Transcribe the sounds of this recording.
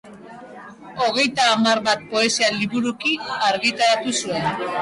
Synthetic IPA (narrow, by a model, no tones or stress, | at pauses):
o̞ɣ̞e̞jt̪aːmarβat̪̚po̞e̞sialiβuɾukiaɾɣit̪aɾat̪usue̞n